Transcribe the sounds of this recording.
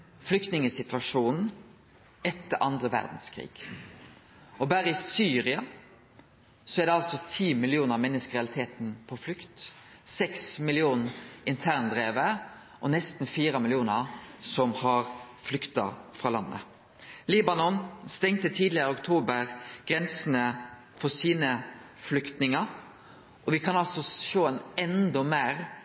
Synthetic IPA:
flʏkt̪nɪŋəsɪt̪ʋɑʂuːnn̩ | ɛt̪ːəʔɑnd̪ʁəʋæ̰ʁd̪n̩skʰɾḭːɡ̥ | ʔɔbæːɾəɪsyːɾɪɑ | sɔæʁd̪ɛɑlsɔt̪ʰiːmɪlɪuːnəʁmɛnːəskʁɛɑlɪt̪ʰeːt̪n̩pʰɔflʏkt̪sɛksmɪlɪuːnɪnt̪ʰæʁnd̪ɾeːʋə | ʔɔnɛst̪n̩fiːɾəmɪlɪuːnəʁsɔmhɑɾ | flʏkt̪ɑ̰fɾʁɑːlɑ̰nːə̰ | liːbɑnɔnst̪ɛŋt̪ət̪ʰiːd̪lɪəɾɪʊkt̪ʰuːbəɾɡ̥ɾɛnsənə | fɔsiːnə | flʏkt̪nɪŋɑ | ʔɔʋɪkʰɑnɑlsɔʃoːɛnɛnd̪ɔmeːʁ

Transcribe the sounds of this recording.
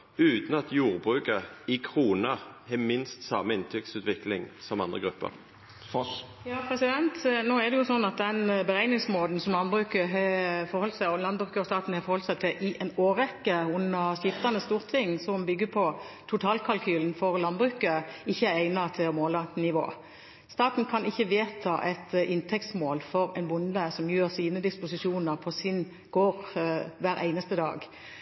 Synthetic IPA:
ʉːt̪n̩ɑt̪juːʁbʁʉːkəɪkʰʁuːnəhɛmɪnst̪sɑmːəɪnt̪ʰʏksʉːt̪ʋɪklɪŋsɔmɑnd̪ʁəɡɾʉpːə̰ʁ | jɑːpʰɾɛsɪd̪ɛnt̪noːɛʁd̪ɛjʊsɔnːɑt̪̚d̪ɛnbəɾæɪɡnɪŋsmoːd̪n̩sɔmlɑnbʁʉːkəɦɛfɔʁhɔlsæɪɔlɑnbʁʉːkəɔst̪ɑːt̪n̩hɑfɔɾhɔlsæɪt̪ʰɪlʔɪʔɛnoːʁɛkːəʊnːəʁɕɪft̪ɑnəst̪uːʁt̪ʰɪŋːsɔmbʏɡːəpʰɔt̪ʰʊt̪ʰɑːlkʰɑlkʰyːln̩fɔʁlɑnbʁʉːkəɪçːəææɪnɑt̪ʰɪlɔmoːlɑnɪʋo̰ː | st̪ɑːt̪n̩kʰɑnɪçːəʋeːt̪ʰɑ̰ːʔɛt̪ʔɪnt̪ʰɛk̚t̪smoːlfɔɾɛɪnbʊnd̪əsɔmjøːɾsiːnəd̪ɪspʊsɪʃuːnəʁpʰɔsɪn | ɡ̥oːɾʋæːɾʔæ̰ɪnəst̪əd̪ɑ̰ːɡ

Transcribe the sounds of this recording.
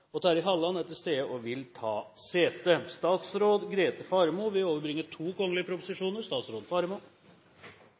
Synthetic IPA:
ɔt̪ʰɑːɾɪɦɑlːɑnɛt̪ːəst̪eːəʔɔʋɪlt̪ʰɑːseːt̪əst̪ɑːt̪sɾoːd̪ɡɾeːt̪əfɑːɾmuʋɪoːʋəɾbɾɪŋːət̪ʰuːkɔŋːlɪəpʰɾʊpʊ̥sɪʂuːnəɾst̪ɑːt̪sɾoːd̪fɑɾmuː

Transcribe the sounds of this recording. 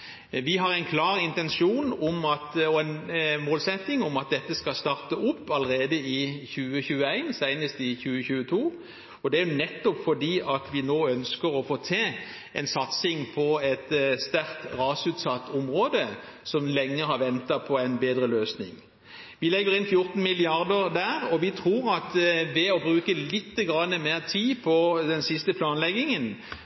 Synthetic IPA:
ʋɪɦɑɾæɪnkʰlɑːʁɪnt̪ɛnʃuːnʊmɑt̪ɔɛnmoːlsɛt̪ːɪŋʊmɑt̪̚d̪ɛt̪ːəskɑst̪ɑːʁt̪əʔʊpːɑləʁeːd̪əɪçʉːəçʉːəæɪnsæɪnəst̪ɪçʉːəçʉːət̪ʰuː | ɔd̪ɛæɾjʊnɛt̪ːɔpfɔd̪iːʔɑt̪ʋɪnoːœnskəʁɔfoːt̪ʰeː | ɛ̰ɪnsɑt̪sɪŋpʰɔɛt̪st̪æɾkt̪ʁɑːsʉːt̪sɑt̪ːʊmʁoːd̪əsɔmlɛŋːəhɑɾʋɛnt̪ɑpʰɔæɪnbeːd̪ɾəløːsnɪ̰ŋ | ʋɪlɛɡːəɾɪnfjʊɾt̪n̩mɪlɪɑɾd̪əʁd̪æːɾɔʋɪt̪ʰʁuːɾɑt̪ʋɛɔbɾʉːkəlɪt̪ːəɡɾɑnːəmeːʁt̪ʰiːpʰɔd̪ɛnsɪst̪əpʰlɑːnlɛɡːɪŋən

